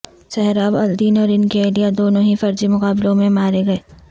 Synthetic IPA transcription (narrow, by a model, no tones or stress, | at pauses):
sɛɦɛɾaːbɐld̪iːnɔːɾɪnkieːlijad̪oːnõɦifɐɾd͡ʒimʊqaːbɪlõmẽmaːɾeɡɐeː